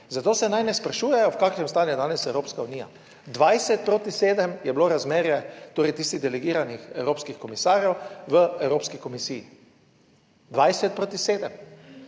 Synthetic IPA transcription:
zat̪oːsɛnajnɛspɾaʃuːjɛjɔwkaːkʃnɛmst̪aːnjɛd̪aːnɛsɛwɾoːpskauniːja̰ | d̪ʋajsɛt̪̚pɾoːt̪iseːd̪əmjɛbloɾazmeːɾjɛt̪oːɾɛjt̪iːst̪iɣd̪ɛlɛɡiːɾanixɛwɾoːpskixkɔmisaːɾjɛwʋəɛwɾoːpskikomisiji | d̪ʋajsɛt̪̚pɾoːt̪iseːd̪əm

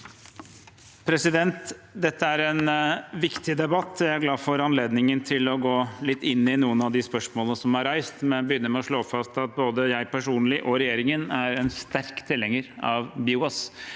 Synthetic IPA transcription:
pʰɾɛsɪd̪ɛnt̪d̪ɛt̪ːəæɾɛnʋɪkt̪ɪd̪ɛbɑt̪ːjæɪæɾɡlɑːfɔɾɑnleːd̪nɪŋənt̪ʰɪlɔɡoːlɪt̪ːɪnːɪnuːənɑʋd̪ɪspœʂmoːlənəsɔmhɑɾæɪst̪mɛnbəjʏnːəɾmɛɔʂɭoːfɑst̪ɑt̪̚boːd̪əjæɪpʰæʂuːnlɪʔɔɾɛjeːɾɪŋənæɾɛnst̪æɾkt̪ʰɪlhɛŋəɾɑʋbɪuɑs

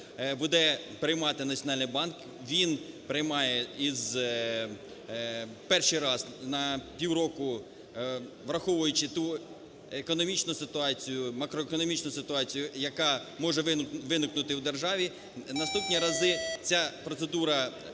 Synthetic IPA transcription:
bʊd̪ɛpɾɪjmɑt̪ɪnɐtt͡sʲjɔnɑlʲnɪjbɑnk | ʋʲinpɾɪjmɑjɛiz | pɛrʃijɾɑznɐpʲiwɾɔkʊ | ʋɾɐxɔʋʊjʊt͡ʃɪt̪u | ekɔnɔmʲit͡ʃnʊsɪt̪ʊɑt͡sʲijʊmɐkɾɔekɔnɔmʲit͡ʃnʊsɪt̪ʊɑt͡sʲijʊjɐkɑmɔʒɛʋɪnɪknʊt̪ɪwd̪erʒɑʋʲi | nɐst̪upnʲiɾɐzɪt͡sʲapɾɔt̪sed̪uɾɐ

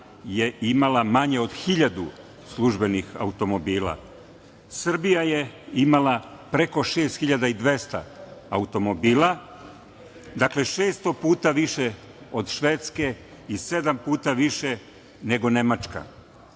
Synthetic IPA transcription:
jeimalamaɲe̞o̞d̪xiʎad̪ṵ | slˠuʒbe̞nixa̰ut̪o̞mo̞biːlˠa̰ | sr̩bijajeimalapɾe̞ko̞ʃe̞ːst̪xiʎad̪aid̪ʋe̞st̪a̰ːut̪o̞mo̞biːlˠa | d̪akle̞ʃe̞ːst̪opuːt̪aʋiʃe | od̪ʃʋet̪ske̞ | ise̞d̪ampuːt̪aʋiʃe | ne̞ɡo̞ne̞mat͡ʃka̰

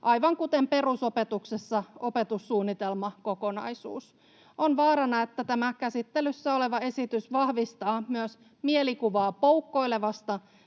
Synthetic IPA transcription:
ʔɑjʋɑŋkut̪empe̞ruso̞pe̞t̪uksesːɑo̞pe̞t̪usːuːnːit̪e̞lmɑko̞ko̞nɑ̰jsṵːs | o̞nʋɑːɾɑnɑet̪ːæt̪æmækæsit̪ːelysːæo̞le̞ʋɑe̞sit̪ysʋɑhʋist̪ɑːmyøs | mielikuʋɑːpowkːo̞jle̞ʋɑst̪ɑ

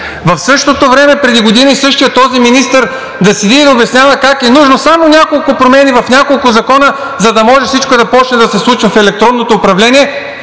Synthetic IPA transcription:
vɐfsɤʃt̪ot̪ovɾɛmɛpɾɛd̪iɡod̪inisɤʃt̪ijət̪ːɔziminist̪əɾ | d̪ɐsid̪id̪obɛsnʲjavɐkakɛnuʒnosamonʲakolˠkʊpɾomɛnʲivɐfnʲakolˠkʊzɐkɔnə | zɐd̪ɐmɔʒɛfsit͡ʃkoɛd̪ɐpɔt͡ʃnɛd̪ɐsɛslˠut͡ʃvɐfɛlɛk̚t̪ɾɔnːot̪oːpɾɐvlɛniɛ

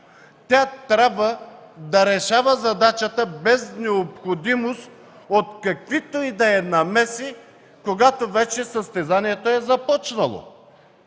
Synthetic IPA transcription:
t̪ʲat̪ɾʲabvəd̪ɐɾɛʃavəzɐd̪at͡ʃət̪əbɛznɛopxod̪imost̪ | ot̪kɐkvit̪oid̪ɐɛnɐmɛsi | koɡat̪ovɛt͡ʃɛsəst̪ɛzaniɛt̪oɛzɐpɔt͡ʃnɐlˠo̰

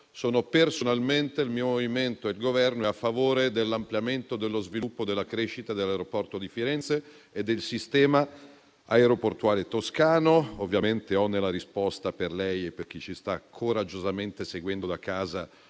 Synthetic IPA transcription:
soːnopersonalment̪eilmiːomoviment̪oeilɡovɛrnoeafːavoːɾed̪elːampljament̪od̪elːozvilupːod̪elːakɾeʃːit̪ad̪elːaeɾopɔrt̪od̪ifiɾɛnt̪se | ed̪ːelsist̪ɛːma | aeɾoport̪uaːlet̪oskaːnoovːjament̪eɔnːelaɾispɔst̪aperlɛjepːerk̟it͡ʃist̪akʰoɾad͡ʒːozament̪eseɡwɛnd̪od̪akaːza

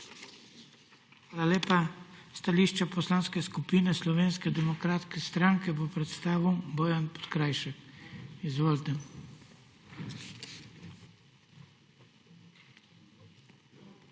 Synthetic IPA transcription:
xʋaːlaleːpast̪aliːʃt͡ʃapɔslaːnskɛskupiːnɛslɔʋeːnskɛd̪ɛmɔkɾaːt̪skɛst̪ɾaŋkɛpɔpɾɛt̪st̪aːʋibɔjanpɔ̥t̪kɾajʃɛkizʋoːlt̪ɛ

